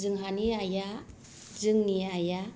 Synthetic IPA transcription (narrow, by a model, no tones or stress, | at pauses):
zɯŋɦaniaja | zɯŋniaja